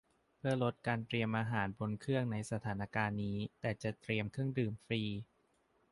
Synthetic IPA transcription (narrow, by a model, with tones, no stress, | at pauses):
pʰɯ˥˩ɐlo˦˥t̪̚kaː˧nt̪ɾi˧əmʔaː˧ɦaː˩˦nbo˧nkʰɯ˥˩əŋna˧jsa˧t̪ʰaː˩˦na˧kaː˧nːiː˦˥t̪ɛː˨˩t͡ɕa˨˩t̪ɾi˧əmkʰɯ˥˩əŋdɯː˨˩mfɾiː˧